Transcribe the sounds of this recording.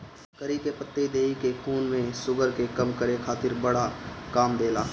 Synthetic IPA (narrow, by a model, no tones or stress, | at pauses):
kəɾikepət̪ːed̪eːikekʰuːnmẽsʊɡəɾkekɐmkəɾekʰaːt̪ɪɾbɐɽakaːmd̪eːlaː